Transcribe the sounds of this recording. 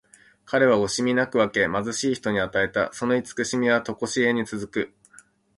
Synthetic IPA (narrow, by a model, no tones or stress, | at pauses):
kaɾe̞β̞ao̞ɕimʲinakɯ̟βake̞mazɨɕiːçi̥t̪o̞ɲ̟iat̪ae̞t̪a̰so̞no̞it͡sɨ̥kɯ̟ɕimʲiβat̪o̞ko̞ɕie̞ɲ̟it͡sɨzɨkɯ̟